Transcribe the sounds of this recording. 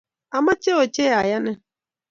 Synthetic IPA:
a˨ma˦t͡ʃe˦o˨t͡ʃe˦ja˨ja˦nɪ˦

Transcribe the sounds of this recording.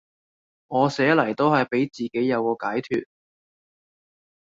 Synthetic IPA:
ŋɔː˨˧sɛː˨˥lɐ˨˩jt̪o˥whɐ˨jpe˨˥jt͡siː˨ke˨˥jːɐ˨˧wkɔː˧kaː˨˥jt̪ʰy̰ː˨t̚

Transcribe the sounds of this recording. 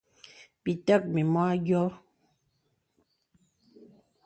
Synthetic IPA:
pi˨tə˦˨k̚mi˨mɔ˦a˦ɡjɔ˦

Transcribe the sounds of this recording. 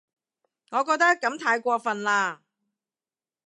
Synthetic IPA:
ŋɔː˨˧kɔː˧k̚t̪ɐ˥kkːɐ˨˥mt̪ʰaː˧jkʷɔː˧fɐ˨nlaː˧

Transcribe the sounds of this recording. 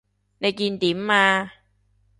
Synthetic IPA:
na˧jki˧nt̪iː˨˩˦mːaː˧

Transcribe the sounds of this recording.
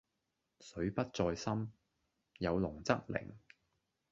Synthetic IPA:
sɵ˨˥ɥpɐ˥t̚t͡sɔː˧jsɐ˥m | jɐ˨˧wlʊ˨˩ŋt͡sɐ˥k̚lɪ̰˨˩ŋ

